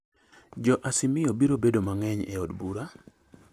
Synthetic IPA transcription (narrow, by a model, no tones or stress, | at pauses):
d͡ʒɔʔasɪmɪobiɾobedomaŋɛɲɛ̰ɔdbuɾa